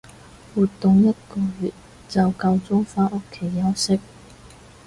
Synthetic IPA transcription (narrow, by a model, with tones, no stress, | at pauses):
wuː˨t̪ːʊ˨ŋjɐ˥t̚kɔː˧jy˨t̚ | t͡sɐ˨wkɐ˧wt͡sʊ˥ŋfaː˥ʔo˥kʰːe˨˥jːɐ˨˥wsɪ˥k̚